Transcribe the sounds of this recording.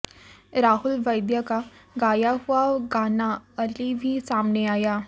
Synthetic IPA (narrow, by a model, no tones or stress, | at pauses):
ɾaːɦʊlʋɐɪd̪jakaɡaːjaɦuaɡaːnaɐlibʱisaːmneaːjaː